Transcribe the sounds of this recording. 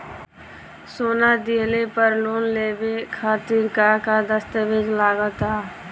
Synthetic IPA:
soːnad̪iɦlepəɾloːnleːbekʰaːt̪iːɾkakad̪əst̪əbed͡ʒlaːɡət̪aː

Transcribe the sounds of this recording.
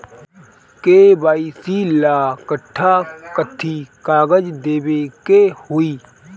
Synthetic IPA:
keːbaːisilaːkəʈʰːakət̪ʰːikaːɡəd͡ʒd̪eːbekehʊiː

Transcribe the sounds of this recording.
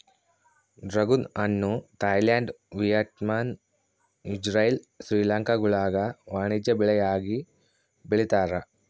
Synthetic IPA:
ɖrɐɡunɐnːut̪ɐjlaːɳɖ | ʋijɐtmaːn | id͡ʑrɐjil | sɾiːlaːŋkɐɡuɭaːɡɐʋaːɳid͡ʑɐbiɭɐjaːɡi | biɭit̪ːaːɾɐ

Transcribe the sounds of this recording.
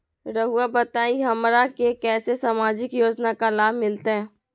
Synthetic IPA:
ɾɐɦuabɐt̪aːiɦɐmɾakekɛːsesamaːd͡ʒɪkjoːd͡ʒnakalaːbmɪlt̪eɦɛ̃ː

